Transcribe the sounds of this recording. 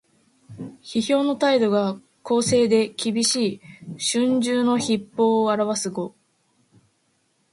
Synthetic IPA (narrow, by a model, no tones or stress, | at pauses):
çiço̞ːno̞t̪aid̪o̞ɡa | ko̞ːse̞ːd̪e̞kʲibʲiɕiːɕɨ̃ɲd͡ʑɨːno̞çipːo̞ːaɾaβ̞asɨɡo̞